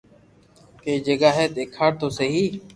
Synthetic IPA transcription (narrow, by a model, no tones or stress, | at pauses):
keːd͡ʒəɠaːɦeːt̪eːkʰaːɽt̪oːseɦiː